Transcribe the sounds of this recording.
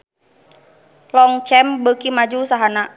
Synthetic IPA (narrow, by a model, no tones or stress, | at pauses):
lɔŋt͡ʃɛmbəkimad͡ʒusaɦana